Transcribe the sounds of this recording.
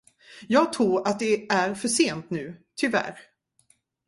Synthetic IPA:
jɑːɡ̚t̪ʰɾuːɾat̪̚d̪ɛæɾfœʂeːnt̪nʉ̟ːt̪ʰʏvæ̰ɾ

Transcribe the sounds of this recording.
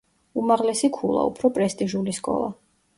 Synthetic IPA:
umaʁlɛsikʰulˠa̰ṵpʰɾɔpʼɾɛst̪ʼiʒuliskʼɔ̰lˠa̰

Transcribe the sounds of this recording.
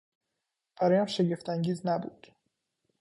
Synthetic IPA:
b̥æɾɒːjæmʃeɟe̞ft̪ʰæŋɟiːznæbṵːd̪̥

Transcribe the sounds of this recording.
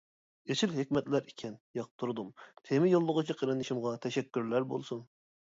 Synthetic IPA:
eʃilɦekʲmɛt̪læɾikʲʰɛnjɑqt̪ʰːuɾd̪umt̪ʰemɪjolˠːʊʁʊt͡ʃʰiqʰəɾɨnɪʃimʁɑt̪ʰɛʃɛkʲːyɾlæɾbo̰lˠsun

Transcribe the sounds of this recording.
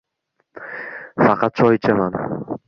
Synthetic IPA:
fɑqʰɑt̪̚t͡ʃʰɒjt͡ʃʰaman

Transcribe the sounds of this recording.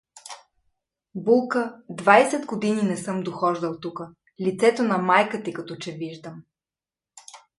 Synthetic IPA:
bulˠkəd̪vajsɛd̪ɡod̪ininɛsɤmd̪oxɔʒd̪ɐlˠt̪ukə | lit̪sɛt̪onɐmajkət̪ikɐt̪ɔt͡ʃɛviʒd̪əm

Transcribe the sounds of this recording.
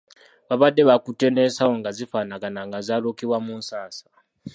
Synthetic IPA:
βaβadɛβakʼutʼɛnɛsaɔŋɡazifanakʼanaŋɡazʷaɺokʰʼiwamun̩saːsḁ

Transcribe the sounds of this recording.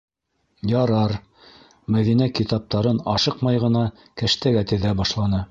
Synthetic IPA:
jɑɾɑɾ | mæðinækit̪ɑp̚t̪ɑɾɤnɑʃɤqmɑjʁɤ̆nɑ | kæʃt̪æɡæt̪ɘ̆ðæbɑʃlˠɑnɤ

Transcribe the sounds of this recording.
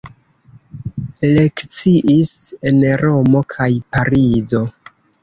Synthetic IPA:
ele̞kt͡siʔise̞nɾo̞mo̞kʰajpaɾizo̞

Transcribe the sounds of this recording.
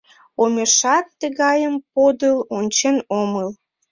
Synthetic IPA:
omʲeʃɑt̪ːəɣɑjəmpod̪əlonʲt͡ɕenoməl

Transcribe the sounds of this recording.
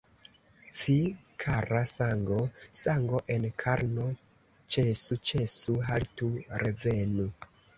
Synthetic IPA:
t͡si | kʰaɾasaŋɡo̞saŋɡo̞ʔe̞nkʰaɾno | t͡ʃesut͡ʃesuɦaltuɾʔevenu

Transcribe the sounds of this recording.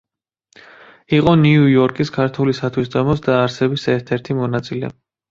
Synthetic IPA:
iqʼɔniujɔɾkʼiskʰaɾt̪ʰulisat̪ʰwisd̪ɔmɔsd̪aːɾsɛbisɛɾt̪ʰɛɾt̪ʰimɔnat̪sʼilɛ̰

